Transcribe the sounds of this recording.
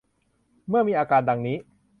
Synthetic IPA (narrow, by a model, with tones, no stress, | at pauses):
mɯ˥˩ɐmiː˧ʔaː˧kaː˧ndaː˧ŋniː˦˥